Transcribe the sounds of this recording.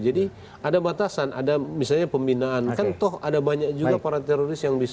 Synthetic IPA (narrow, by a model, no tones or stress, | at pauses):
d͡ʒadi | adabat̪asanʔa̰damisalɲapəmbinaːnkant̪ɔɦadabaɲak̚d͡ʒuɡapaɾat̪ɛɾoɾɪsjaŋbis